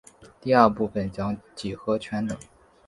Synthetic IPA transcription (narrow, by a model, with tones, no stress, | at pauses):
t̪i˥˧ɐ˞˥˧pu˥˩fə˨˩nt͡ɕjɑ˥ŋt͡ɕi˨˩xɤ˧˥t͡ɕʰɥɛ˧˥nt̪ɤ˨˩˦ŋ